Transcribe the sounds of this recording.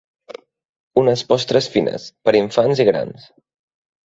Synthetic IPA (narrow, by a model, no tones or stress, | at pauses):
unəspɔst̪ɾəsfinʔə̰spəɾiɱfanziɣɾa̰ns